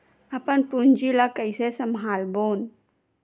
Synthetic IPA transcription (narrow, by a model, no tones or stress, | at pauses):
əpənpund͡ʒilakəɪsesəmɦaːlboːn